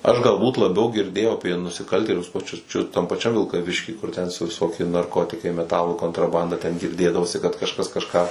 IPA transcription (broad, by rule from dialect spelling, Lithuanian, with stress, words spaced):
ɐʃ ɡɐlˠˈbuːt lˠɐˈbʲɛʊ ɡʲɪrʲˈdʲeːjɛʊ ɐpʲiɛ nʊsʲɪˈkɐlʲtʲeːlʲʊs pɐˈt͡ʃʲʊs t͡ʃʲʊ tɐm pɐˈt͡ʃʲɛm ʋʲɪlˠkɐˈʋʲɪʃʲkʲiː kʊr tʲɛn sʊ ʋʲɪˈsoːkʲiɛ nɐrˈkoːtʲɪkɐɪ mʲɛˈtɑːlˠuː koːntrɐˈbɐndɐ tʲɛn ɡʲɪrʲˈdʲeːdɐʋoːsʲɪ kɐt kɐʃˈkɐs kɐʃˈkɑː